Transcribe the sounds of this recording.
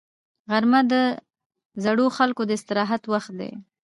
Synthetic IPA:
ɣaɾmad̪ə | zaɽoxalkod̪əɪst̪ɪɾɑɦat̪waxt̪̚d̪ḛ

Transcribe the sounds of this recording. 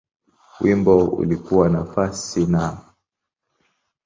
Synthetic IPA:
wimbɔṵlikuwanafasina

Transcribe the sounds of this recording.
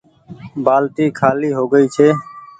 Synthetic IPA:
baːlt̪iːkʰaːliːɦoːɡəiːt͡ʃʰeː

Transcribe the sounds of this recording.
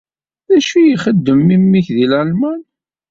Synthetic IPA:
ðæʃijiχəd̪ːəmːimːiçðilʕælmæn

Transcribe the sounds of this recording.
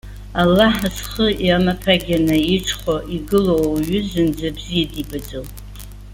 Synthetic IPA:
alːaħasχəjamapʰaɡʲanɨiʈ͡ʂʰχʷoʔiɡɨlowɥʏzɨnd͡zabzijadibad͡zow

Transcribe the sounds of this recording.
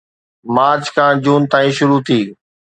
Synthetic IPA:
maːɾt͡ɕkʰãːd͡ʑuːnt̪aːĩʃʊɾut̪ʰiː

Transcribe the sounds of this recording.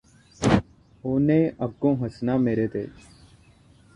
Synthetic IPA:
oːneːɐb̚kõːɦəsnaːmeːɾeːt̪eːd͡ʒ

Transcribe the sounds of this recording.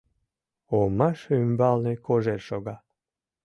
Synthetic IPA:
omɑʃymbɑlnekʰoʒerʃoɣɑ

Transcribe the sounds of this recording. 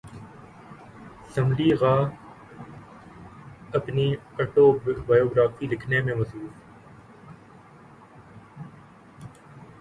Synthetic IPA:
səmliːɣaː | əpniːɐʈoːbaːjoːɡɾaːfiːlɪkʰnemẽməsuːs

